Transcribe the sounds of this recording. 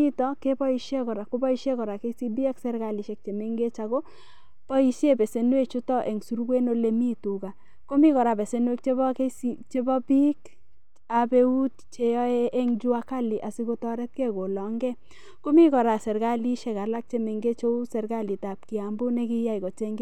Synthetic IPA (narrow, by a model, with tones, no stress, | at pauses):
i˦tɔ˦kɛ˦bɔ˦i˧ʃjɛ˦kɔ˨ɾa˨ko˦bɔ˦i˦ʃjɛ˦kɔ˨ɾa˨ke˦si˦bi˦a˦ksɛ˦ɾka˦li˨ʃɛ˨k̚t͡ʃe˨me˦ŋɡe˦t͡ʃa˨ko˦ | pɔ˦i˦ʃje˦be˨se˨nwe˦t͡ʃu˦tɔ˦ʔe˨ŋsu˨˦ɾɡwe˦no˦le˦mi˦tu˨ka˨ | ko˦mi˦kɔ˨ɾa˨be˨se˨nwe˦k̚t͡ʃe˦bɔ˦ke˦sit͡ʃe˦bɔ˦bi˦k | a˨be˦u˦t̚t͡ʃe˨jɔ˦ɛ˦ŋd͡ʒu˦a˦ka˦li˨ʔa˨si˦ko˦tɔ˦ɾɛ˦t̚kɛ˦ko˨lɔ˨ŋɡɛ˦ | ko˦mi˦kɔ˨ɾa˨sɛ˨ɾka˦li˦ʃɛ˨ka˨la˦k̚t͡ʃe˨me˨ŋɡe˦t͡ʃo˦u˦sɛ˨ɾka˦li˨ta˨p̚ki˨a˨mbu˦nɛ˦kɪ˦ja˦i˨kɔ˨t͡ʃe˦ŋɡe˦